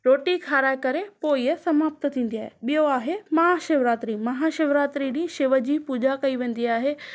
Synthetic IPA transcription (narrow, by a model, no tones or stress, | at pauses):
ɾoːʈikʰaːɾaːɪkɐɾepoːiəsɐmaːpt̪ə̆t̪ʰĩːn̆d̪iaːɦeɓijoaːɦemɐɦaʃeʋɾaːt̪ɾimɐɦaʃɪʋɾaːt̪ɾiɗĩːʃɪʋəd͡ʑiːpuːd͡ʑakɐiʋẽːn̆d̪iaːɦeː